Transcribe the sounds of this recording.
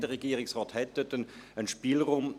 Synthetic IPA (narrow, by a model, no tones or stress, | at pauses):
d̥əʁɛɡiːəʁɪksʁɑːthɛt̪ətənənʃpiːlʁʊm